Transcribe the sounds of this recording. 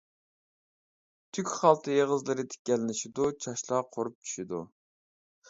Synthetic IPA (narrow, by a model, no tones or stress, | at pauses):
t̪ʰykʲχɑlˠt̪ʰɨjeʁəzlˠɨɾɨt̪ʰe̥kʲɛlɪnɪʃid̪ut͡ʃʰɑʃlˠɑqʰoɾup̚t͡ʃʰy̥ʃid̪ṵ